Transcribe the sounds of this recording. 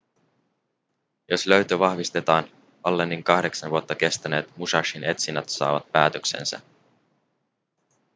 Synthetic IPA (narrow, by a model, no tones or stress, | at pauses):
jo̞slø̞ɥt̪øʋɑhʋist̪e̞t̪ɑːn | ɑlːenːiŋkɑhde̞ksɑnʋuot̪ːɑke̞st̪æne̞ːt̪musɑʃine̞t̪sinːæt̪sɑ̰ːʋɑ̰t̪̚pæːt̪øksḛnsæ̰